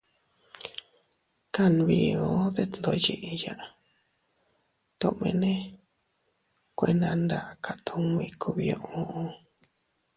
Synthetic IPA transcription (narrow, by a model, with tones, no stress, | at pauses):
ka˦n˧βi˨˧ɣo˧˦ðe˦t̪nd̪o˧je˧ʔja˦ʔ | t̪o˧ʔmḛ̃˧nẽ˦ | kʷe˧nã˧nd̪a˧ʔka˧t̪ʰo˧mĩ˧kʰu˧βjo˧ʔo˦